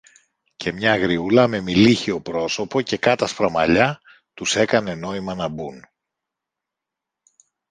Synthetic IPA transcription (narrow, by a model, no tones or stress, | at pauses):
cʰe̞mɲɐɣɾiulɐme̞miliçio̞pɾo̞so̞po̞ce̞kɐt̪ɐspɾɐmɐʎɐ | t̪use̞kɐne̞no̞imɐnɐbun